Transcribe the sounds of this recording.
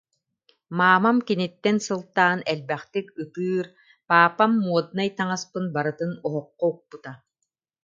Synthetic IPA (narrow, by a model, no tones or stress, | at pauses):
maːmamkinit̪ːɛnsɯlˠt̪aːnɛlbɛχt̪ikɯt̪ɯːɾ | paːpamːuɔd̪̚najt̪aŋaspɯnbaɾɯt̪ɯnɔɦɔqːɔuk̚put̪a